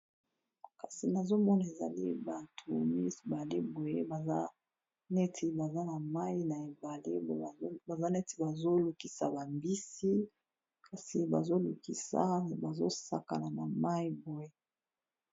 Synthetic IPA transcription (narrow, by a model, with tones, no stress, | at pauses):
ka˨si˨na˨zo˦mɔ˦na˨e˨za̰˨li˦ba˨tʰu˨mi˦˨ba˨le˦bo˨je˦ba˨a˦ | ne˦tʰi˦ba˨za˦na˨ma˦i˦na˨e˨ba˨le˦˨˦ba˨za˦nɛ˦ti̥˨ba˨zo˦lu˨ki˨sa˨ba˨mbi˦si˦ | ka˨si˨ba̰˨zo˦lu˨ki˨sa̰˦˨ba˨zo˦sa˦ka̰˨la˨na˨ma˦i˦bo˨je˦